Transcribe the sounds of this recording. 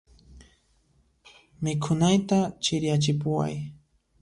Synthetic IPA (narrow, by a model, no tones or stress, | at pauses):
mɪkʰʊnajt̪at͡ʃɪɾjat͡ʃɪpʊwa̰j